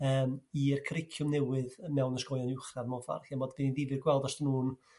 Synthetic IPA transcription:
əːmirkʰəɾɪkʰjʊmnɛwɨðmɛwnəskɔjɔnɪwχravmɔva̰rkɛmɔdviniðivɨrɡwɛlˠdɔstənuːn

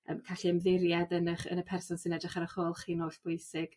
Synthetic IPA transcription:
ə̰ːmkʰaɬiəmðɪɾjadənəχə̰nəpʰɛrsɔnsɪnɛdrɪχaɾəχoːlˠχiːnoːɬb̥ʊjsɪɡ̥

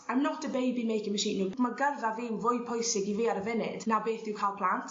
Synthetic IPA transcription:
amnɔtʰəbejbimejkəməʃiːnimaɡərvavɪwvʊjpʰɔjsɪɡiviːaɾəvɪnɪ̰d̥nabeːθd̥ɪwkʰajlˠpʰl̥ˠantʰ

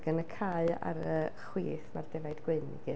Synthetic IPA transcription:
ɡ̥ənəkʰaɨa̰ɾəχwiːθmardɛvajdɡ̥wɪnḭɡi

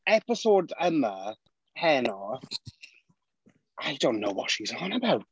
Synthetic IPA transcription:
ɛpɪsɔːdəmə | hɛnɔ | ʔaɪdõʊ̃nːo̰ʊwɔ̰tʃizɔ̃nəbawt

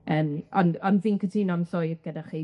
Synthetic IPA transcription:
əːmɔnɔnviːnkʰətʰiːnɔnsʊjvɡ̥ədaχe

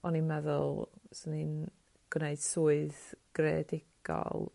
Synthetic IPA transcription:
ɔninmɛðʊlˠsənin | ɡ̥wneɨd̥suːɨðɡ̥rɛ̰dɪɡ̥ɔ̰lˠ

